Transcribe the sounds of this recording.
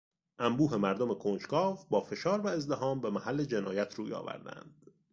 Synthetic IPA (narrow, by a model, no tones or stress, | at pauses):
ʔæmbuːɦe̞mæɾd̪ome̞kʰoːnt͡ʃkɒːvbɒːfe̞ʃɒːɾvæe̞zd̪eɦɒːmbe̞mæhælːed͡ʒe̞nɒːjæt̪ʰɾuːjɒ̰ːvæ̰ɾd̪æ̰nd̪̥